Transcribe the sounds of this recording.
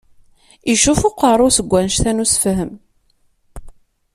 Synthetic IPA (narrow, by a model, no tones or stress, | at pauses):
iʃufʊqəɾˤʊsəɡʷːænʃθænusfɦəm